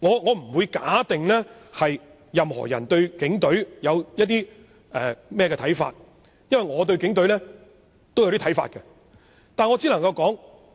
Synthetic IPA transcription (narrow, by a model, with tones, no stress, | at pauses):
ŋɔː˨˧ŋɔː˨˧m̩˨˩wuː˨˧jkaː˨˥t̪ɪ˨ŋlɛː˥hɐ˨j | jɐ˨mhɔ̰˨˩jɐ̰˨˩nt̪ɵ˧ɥkɪ˨˥ŋt̪ɵ˨˥ɥjɐ˨˧wjɐ˥t̚t̪iː˥ | ɛː˨mɛː˥˩kɛː˧tʰɐ˨˥jfa̰ː˧t̚ | jɐ˥nwɐ˨jŋɔː˨˧t̪̬ɵ˧ɥkɪ˨˥ŋt̪ɵ˨˥ɥlɛː˥ | t̪o˥wja˨˧˦ti˥tʰɐ˨˥fa̰ː˧t̚kɛ˧ | t̪aː˨nŋɔː˨˧t͡siː˥lɐ˨˩ŋkɐ˧wkɔː˨˥ŋ